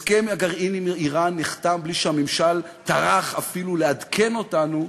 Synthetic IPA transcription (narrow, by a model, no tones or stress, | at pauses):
skemaɡaʁʔinimiiʁanːiχt̪ambliʃehamemʃalt̪aʁaχafiluleadkʰe̞no̞tanu